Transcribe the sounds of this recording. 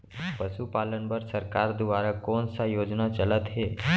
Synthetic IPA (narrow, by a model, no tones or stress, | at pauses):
pəʃupalənbəɾsəɾkaɾd̪uʋaɾakonsajod͡ʒnat͡ʃələt̪ɦe